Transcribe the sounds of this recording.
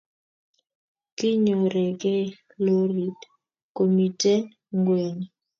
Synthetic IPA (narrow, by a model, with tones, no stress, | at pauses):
kɪ˦ɲo˨ɾɛ˨ɡɛ˦ | lo˦ɾi˨d | ko˨mi˨te˦ | ŋɡwe˨ŋ